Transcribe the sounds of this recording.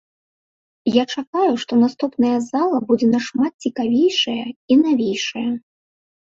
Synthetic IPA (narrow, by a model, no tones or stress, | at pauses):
jat͡ʂakajuʂt̪ɔnast̪upnɐjɐzalˠɐbud͡zʲɛnɐʂmat̪̚t͡sʲikavʲejʂɐjɐinavʲejʂɐjɐ